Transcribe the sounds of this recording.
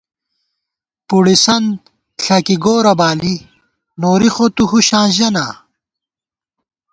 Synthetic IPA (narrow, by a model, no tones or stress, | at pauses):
puɽisɐnd̪̚ | ɬɐkiɡoːɾɐbaːli | noːɾixot̪uhuɕãːʑɐnaː